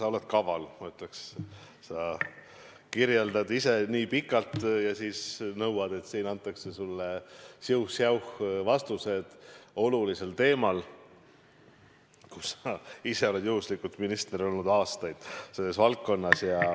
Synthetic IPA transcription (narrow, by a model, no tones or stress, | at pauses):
sɑo̞le̞t̪̚kɑvɑlmyt̪leks | sɑ | kiɾje̞ld̪ɑd̪ise̞niːpikːˑɑlt̪jɑsiːsnɤwɑd̪̥e̞t̪ːsiːnɑnt̪ˑːɑkse̞sulːesiwxsjɑwhvɑst̪use̞d̪̥o̞lulise̞lt̪e̞ːmɑl | kusɑise̞o̞le̞d̪juhuslikult̪minist̪eɾio̞lnud̪ɑːst̪ɑjd̪̥se̞lːe̞svɑlkːo̞nːɑsjɑ